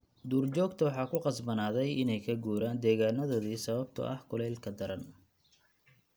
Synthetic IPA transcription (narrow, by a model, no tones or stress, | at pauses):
d̪uːrt͡ʃɔːɡt̪ʰɐwɑħɑːkʰʊqɑsbɐnaːðɛjʔɪnɛjkʰɐɡuːɾaːnd̪ɛːɣaːnɐðɔːðiːsɐβɐb̚t̪ʰɐ̰ʔɐhkʰɔlɛlkʰɐd̪ɐɾɐn